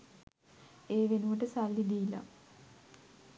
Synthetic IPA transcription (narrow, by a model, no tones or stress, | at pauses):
eːʋenuʋɐʈəsalːid̪ilɐ̰